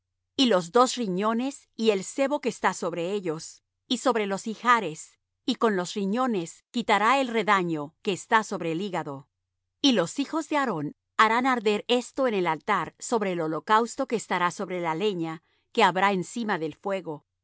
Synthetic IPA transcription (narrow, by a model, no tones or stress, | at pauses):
ilo̞zd̪o̞sriɲo̞ne̞s | ie̞lse̞βo̞ke̞ːst̪aso̞βɾe̞e̞ʎo̞s | iso̞βɾe̞lo̞sixaɾe̞s | iko̞nlo̞sriɲo̞ne̞skit̪aɾaelre̞ðaɲo̞ke̞ːst̪aso̞βɾe̞ːliɣaðo̞ | ilo̞sixo̞zðe̞aɾo̞n | aɾanaɾðe̞ɾe̞st̪o̞ene̞lalt̪aɾso̞βɾe̞ːlo̞lo̞kawst̪o̞ke̞ːst̪aɾaso̞βɾe̞lale̞ɲa | ke̞aβɾaensimaðe̞lfwe̞ɣo̞